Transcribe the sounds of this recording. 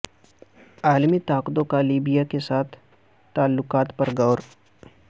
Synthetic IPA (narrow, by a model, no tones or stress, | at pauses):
aːlmit̪aːqd̪õkaliːbijakesaːt̪ʰ | t̪ːaːlːʊqaːt̪pɐɾɡɐːɾ